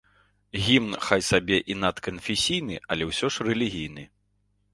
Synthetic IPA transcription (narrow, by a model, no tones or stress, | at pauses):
ɣʲimnxajsabʲɛʔinat̪kɐnfʲɛsʲijnɨɐlʲɛwsʲɔʂrɛlʲiɣʲijnɨ